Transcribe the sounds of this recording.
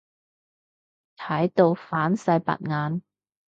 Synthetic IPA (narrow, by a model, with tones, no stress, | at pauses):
t̪ʰɐ˨˥jt̪o˧wfaː˨˥nsɐ˧jpɐ̰˨t̚ŋaː˨˧n